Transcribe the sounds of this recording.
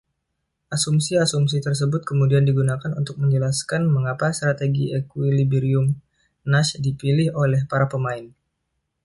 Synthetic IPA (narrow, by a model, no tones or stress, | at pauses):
ʔasumsiasums̬it̪ərs̬əbʊt̪̚kəmudiandiɡunakanunt̪ʊk̚məɲd͡ʒəlaskanməŋapast̪ɾat̪eɡiɛkwilibiɾiʊm | naʃdipilɪholɛhpaɾapəmaɪn